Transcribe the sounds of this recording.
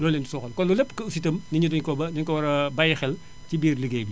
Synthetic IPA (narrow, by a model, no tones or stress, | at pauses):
lɔːlːɛːndisɔxɐlkɔnlulɛpːkɐusitɐmniɲudɔɲkɔbɐdɐɲkɔwɐɾɐbɐjxɛl | cibiːrləɡɛbi